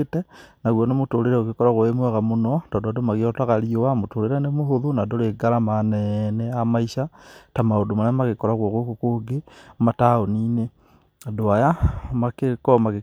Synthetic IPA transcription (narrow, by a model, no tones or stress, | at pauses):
etenaɣwonomotoɾeɾɛoɣekɔɾaɣoemwɛɣamonɔdɔdoadomaɣiɔtaɣaɾiowamotoɾeɾɛnemoɦoðonadoɾeɡalamanɛnɛamaiʃatamaodomanamaɣekɔɾaɣwoɣokokoɡemataoniːne | doajamakekɔmaɣe